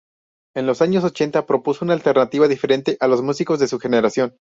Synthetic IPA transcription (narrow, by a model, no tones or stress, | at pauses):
e̞nlo̞saɲo̞so̞t͡ʃe̞nt̪apɾo̞pusounaːlt̪e̞ɾnat̪iβaðife̞ɾe̞nt̪e̞ʔalo̞zmusiko̞zðe̞suxe̞ne̞ɾasjo̞n